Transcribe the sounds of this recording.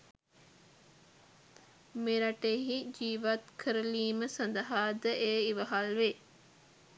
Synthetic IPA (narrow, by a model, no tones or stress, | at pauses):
meɾɐʈeɦid͡ʒiːʋat̪kʰəɾəliːməsɐnd̪ɐɦaːd̪əʔeːiʋɐɦalʋe